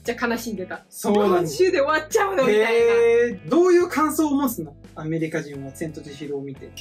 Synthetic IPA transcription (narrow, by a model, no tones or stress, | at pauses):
d͡ʑaːkanaɕĩnd̪e̞t̪a | soːnãɕɨːd̪e̞oβat͡ɕaɯnoieiaiad̪o̞ːjɯ̟ːkʰãɰ̃so̞ːmosɨno̞ame̞ɾʲikaʑĩɰ̃βat͡sẽ̞nt̪o̞t̪eɕiɾoːmʲit̪e̞